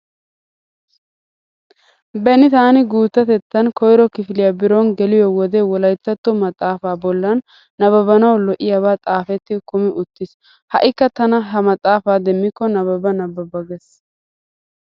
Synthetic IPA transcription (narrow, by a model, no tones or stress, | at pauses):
bɛnɪt̪aːnɪɡuːt̪ːɐt̪ɛt̪ːɐnkɔjɾɔkɪfɪlɪjɐbɪɾonɡɛlɪjɔwɔd̪ɛwɔlɐjt̪ːɐt̪ːɔmɐt̪ʼaːfaːbɔlːɐnː | ɐβɐbɐnɐwlɔʔɪjɐβaːt̪ʼaːfɛt̪ːɪkʊmɪʔʊt̪ːɪs | hɐʔɪkːɐt̪ɐnɐɦɐmɐt̪ʼaːfaːd̪ɛmːɪkːɔnɐbɐbɐnɐbːɐbɐɡɛs